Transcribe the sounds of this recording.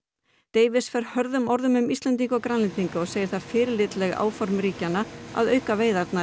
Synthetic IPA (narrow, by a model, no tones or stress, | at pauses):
t̪eːjvɪsfɛɾ̥hœɾðʏmɔɾðʏmʏmist̪lɛnt̪iŋkɔkɾanlɪnt̪iŋkaɔɣseːjɪɾ̥θaɾ̥fɪːɾɪlɪːt̪lɛɣa̰ːwfɔɾmɾiːcanːaa̰ðœɥkaveːjðaɾt̪na